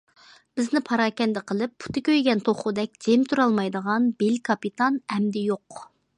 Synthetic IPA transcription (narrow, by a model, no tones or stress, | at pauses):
b̥ɪznɪpʰɑɾɑːkʲɛnd̪ɪqʰəlˠɪpːʰu̥t̪ɪkʲøjɡʲɛnt̪ʰoχud̪ɛk̚ʲd͡ʒ̪̥emt̪ʰuɾɑlˠmɑjd̪əʁɑnbelkʰɑpit̪ʰɑnɛmd̪ɪjoq